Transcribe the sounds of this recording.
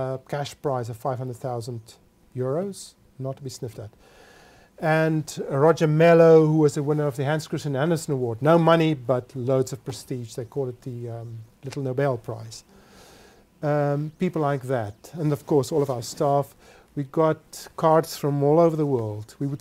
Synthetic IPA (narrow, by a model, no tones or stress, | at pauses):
kʰæʃpʰɹ̥aɪzʌv̥faɪv̥hʌ̃ndɹəd̪̚θaʊzə̃nd | jʊɹoʊz̥ | nətʰːəbisnɪftət | ɨ̃nɹɑd͡ʒə˞mɛloʊhuɪzɨwɪ̃nə˞ʌvðɨɦæ̃nskɹ̥ɨsɨ̃nænəsə̃nəwɔɹdⁿnoʊmʌnibʌtloʊdzʌv̥pʰɹ̥ɨstiʒðeɪkʰɔlˠɨt̪̚ðɨlɪɾl̩ˠnoʊbɛlˠpʰɹ̥a̰ɪz̥ | pipl̩laɪk̚ðætə̃nʌv̥kʰɔɹsɔlˠʌvaʊə˞stɑf | wiɡɑt̚kʰɑɹdsfɹʌ̃mɔlˠoʊvə˞ðəwɜ˞lˠdwiwəd